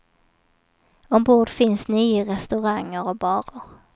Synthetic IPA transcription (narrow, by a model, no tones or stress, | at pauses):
ɔmboːɖfɪnsnyːəɾɛst̪ɵɾaŋːəɾɔbɑːɾəɾ